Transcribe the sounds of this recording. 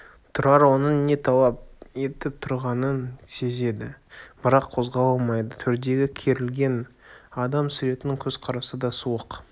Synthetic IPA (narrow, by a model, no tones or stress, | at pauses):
t̪ʰʊɾɑɾwo̞nəne̞t̪ʰɑlˠɑp̚e̞t̪ɪp̚t̪ʰʊɾʁɑnənse̞ze̞d̪ɪb̥ɪɾɑqʰːo̞zʁɑlˠɑlˠmɑjd̪ət̪ʰʏɾd̪e̞ɡʲɪkʲʰe̞ɾɪlɡʲe̞nɑd̪ɑmsʏɾe̞t̪ɪnɪŋkʲʰɵz̥qʰɑɾɑsəd̪ɑsuwəq